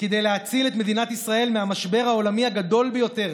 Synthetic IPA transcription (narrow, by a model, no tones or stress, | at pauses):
ked̪ejleɦat͡silet̪me̞d̪inat̪isʁae̞lmeɦamaʃbe̞ʁhao̞lamihaɡad̪o̞lbejo̞t̪e̞ʁ